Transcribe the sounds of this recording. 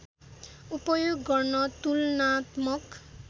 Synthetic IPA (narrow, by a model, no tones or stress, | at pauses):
upɔjuɡːɔɹnɔt̪ulnat̪mɔk